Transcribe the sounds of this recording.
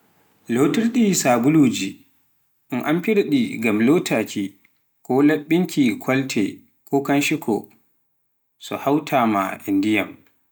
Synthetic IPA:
lotiɾɗisaːɡuluːd͡ʒi | ʔnʔampiɾaɗiɡamlotʰakʰi | kɔlaɓːiŋkʰikʰɔltʰɛ̰ | kʰɔkanʃikʰɔ̰ | sɔ̰hawtʰaːma̰ʔindijam

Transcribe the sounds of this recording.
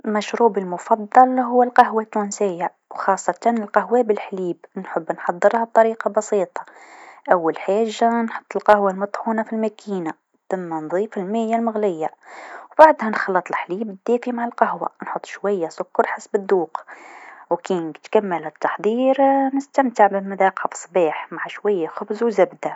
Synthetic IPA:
mæʃɾuːbəlmʊfɑd̪ˤːɑlɦʊwːəlqɑɦwat̪ːuːnsɪjːa | wxɑsˤːɑt̪ɑnɪlqɑɦwæbəlħliːbnħəbːnħɑd̪ˤːəɾhɑb̚t̪ˤɑɾiːqɑbɑsiːt̪ˤɑ̥ʔæwːælħaʒːanħʊ̥t̪ˤːəlqɑhwalmɑt̪ˤħuːnafilmækʰiːna | t̪ɪmːænðˤiːfɪlmɪjːalmʊɣlɪjːawbaʕd̪hænxɑlːɑt̪ˤəlħliːbd̪ːæfimaʕalqɑɦwa̰nħʊt̪ˤːʃwæjːasʊkːɑɾˤħasbəd̪ːuːq | wkinkt̪kæmːəlhæt̪ːɑħd̪ˤiːɾnəst̪æmt̪əʕbəmʊd̪æqɑfsˤbiːħmaʕaʃwæjːaxʊbzwzæbd̪a

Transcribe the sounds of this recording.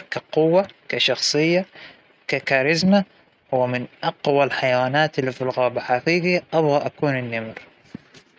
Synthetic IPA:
kaqʊwːakaʃɑxsˤɨjːa | kakaːɾɪzma | wɪmɪnʔɑqwalħajawaːnaːt̪ɪlːifilɣaːbaħafiːɡiʔɑbɣɑʔakuːnɪnːamɾ

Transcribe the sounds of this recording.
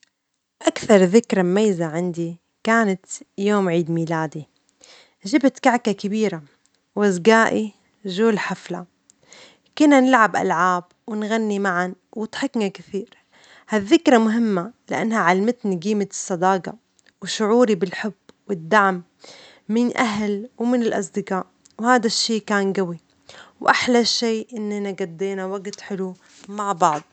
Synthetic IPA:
ʔakθɑɾˤðɪkɾˤammajːzaʕɪnd̪i | kaːnat̪joːmʕiːd̪miːlaːd̪i | ʒɪbt̪kaʕkakabiːɾa | wazɡaːʔi | ʒuːlħafla | kʊnːanɪlʕabʔa̰lʕaːb | wɪnɣanːimaʕanwɪt̪ħɪknakɪθiːɾ | haðːɪkɾˤɑmʊɦɪmːalɪʔa̰nːhaʕalmɪt̪niɡiːmat̪ɨ̥sˤːɑd̪ɑːɡɑ̰ | wɪʃʊʕuːɾibɪlħʊbːwɪd̪ːaʕmː | ɪnʔaɦlwmɪnɪlʔɑ̰sˤd̪ɪɡaːʔ | whaːd̪aʃːiːkaːnɡawi | wʔaħlaʃːeːʔɪnːanaɡad̪ːeːnawaɡt̪ħɪlu | maʕbɑʕd̪̚ˤ

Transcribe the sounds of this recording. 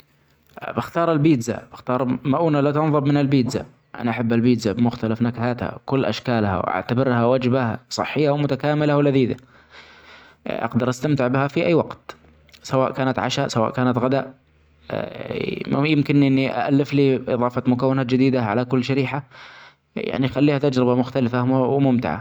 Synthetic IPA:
bɪxt̪ɑːɾˤalbiːd̪za̰b̥ɪxt̪ɑːɾˤmaʔuːnalat̪ʊnðˤɨbmɪnɪlbiːd̪za̰ | ʔa̰naʔaħabːalbiːd̪zabɪmʊxt̪alafnakhaːt̪ha̰wkʊlːʔa̰ʃkaːlha̰wʔa̰ʕt̪abɪɾhawad͡ʒbahasˤɨ̰ħːɪjːawmʊt̪akaːmɪlawɪlaðiːd̪a̰ | ʔɑ̰qd̪ɑɾˤʔast̪amt̪ɪʕbɪhafiʔajːwɑqt̪ | sawaːʔkaːnat̪ʕa̰ʃasawa̰ːʔkaːnat̪ɣad̪aːʔ | jɪmkɪnʔɪnːiʔa̰ʔalːɪfliːʔɨ̰ðˤɑːfɑmʊkawːɪnaːt̪̚d͡ʒɪd̪iːd̪aʕalakʊlːʃaɾiːħa | ja̰ʕnixalːiːhat̪ad͡ʒɾɪbamʊxt̪alɪfawmʊmt̪ɪ̰ʕa̰

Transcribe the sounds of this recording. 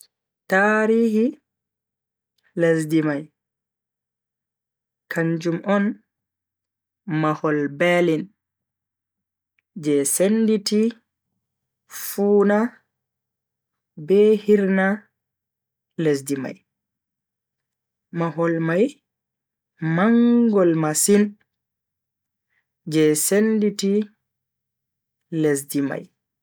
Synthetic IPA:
taːɾiːhi | lasdimaj | kʰaɲd͡ʒumʔɔn | mahɔlbɛːlin | d͡ʒɛsenditi | fuːna | bɛhiɾna | les̬dima̰j | maɦɔlmaj | maŋɡɔlmasin | d͡ʒɛsenditi | les̬dima̰j

